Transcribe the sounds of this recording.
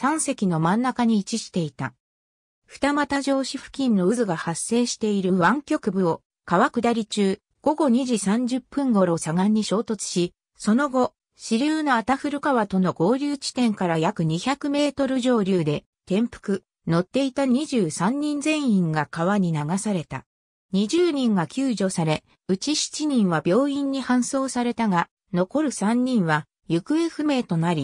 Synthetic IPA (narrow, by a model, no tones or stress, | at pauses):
sãɰ̃se̞kʲino̞mãnːakaɲ̟iːt͡ɕiɕi̥t̪e̞it̪a̰ | ɸɯ̟̥t̪amat̪aʑo̞ːɕiɸɯ̟̥kʲĩnːo̞ɯ̟zɨɡahasːe̞ːɕi̥t̪e̞iɾɯ̟βãŋkʲo̞kɯ̟bɯ̟o̞ | kaβakɯ̟d̪aɾʲit͡ɕɨː | ɡ̥o̞ɡo̞ɲ̟iʑisãɲ̟d͡ʑɨpːɯ̟̃ŋɡo̞ɾo̞saɡãɲ̟ːiɕo̞ːt̪o̞t͡sɨ̥ɕi | so̞no̞ɡo̞ | ɕiɾʲɨːno̞at̪aɸɯ̟ɾɯ̟kaβat̪o̞no̞ɡo̞ːɾʲɨːt͡ɕi̥t̪ẽ̞ŋkaɾajakɯ̟ɲ̟içakɯ̟me̞ːt̪o̞ɾɯ̟ʑo̞ːɾʲɯːd̪e̞ | t̪ẽ̞mpɯ̟̥kɯ̟ | no̞t̪ːe̞it̪aɲ̟iʑɨːsãɲ̟ːĩnd͡zẽ̞ɰ̃ĩŋɡakaβaɲ̟inaɡasaɾe̞t̪a̰ | ɲ̟iʑɨːɲ̟ĩŋɡakʲɨːʑo̞saɾe̞ | ɯ̟t͡ɕiɕi̥t͡ɕiɲ̟ĩɰ̃βabʲo̞ːĩɲ̟ːihãɰ̃so̞ːsaɾe̞t̪aɡa | no̞ko̞ɾɯ̟sãɲ̟ːĩɰ̃βa | jɯ̟kɯ̟e̞ɸɯ̟me̞ːt̪o̞naɾʲi